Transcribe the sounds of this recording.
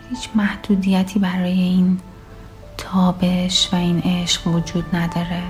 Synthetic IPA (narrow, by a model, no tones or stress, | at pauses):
hiːt͡ʃʰmæhd̪̥uːd̪ijæt̪ʰiːbæɾɒːjeiːn | t̪ʰɒːbe̞ʃvæiːnʔeʃɢ̥vod͡ʒuːd̪̥næd̪ɒːɾe